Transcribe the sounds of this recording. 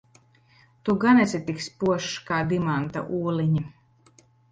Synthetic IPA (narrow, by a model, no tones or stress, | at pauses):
t̪uɡanɛsʲɛt̪ikspuɔʃkaːd̪imant̪a̰ʔuːliɲi